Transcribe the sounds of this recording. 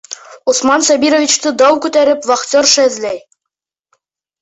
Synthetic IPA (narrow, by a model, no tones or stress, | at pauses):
ŏsmɑnsɒbʲiɾŏvʲit͡ɕt̪ɤd̪ɑwkʉt̪æɾɘpvɑχt̪ʲoɾʃæɘzlæj